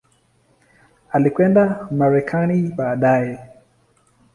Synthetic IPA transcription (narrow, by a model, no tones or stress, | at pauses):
alikwɛndamaɾɛkʰaniɓaːɗajɛ